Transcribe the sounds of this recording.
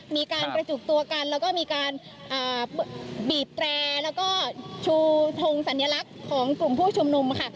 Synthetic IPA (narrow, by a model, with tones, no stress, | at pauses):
miː˧kaː˧npɾa˧t͡ɕuː˨˩k̚t̪u˧ɐka˧nlɛː˦˥wkɔː˥˩miː˧kaː˧n | ʔaː˨˩ | biː˨˩p̚t̪ɾɛː˧lɛː˦˥wkɔː˥˩t͡ɕʰuː˧t̪ʰo˧ŋsa˩˦nja˧la˦˥kʰːɔː˩˦ŋklu˨˩mpʰuː˥˩t͡ɕʰu˧mnu˧mkʰa˥˩